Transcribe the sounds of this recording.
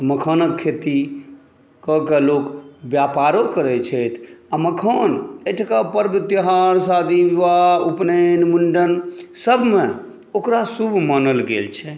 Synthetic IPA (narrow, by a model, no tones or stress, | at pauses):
məkʰənəkʰːet̪i | kəkelokbjapaɾokəɾɛt͡ʃʰɛjt̪ʰaməkʰəneʈʰkapəɾbʱət̪əɦaɾsad̪ʱiʋiʋaupnenmuɳɖənsəbʱme | okɾasubʱmanəlɡḛlt͡ʃʰɛ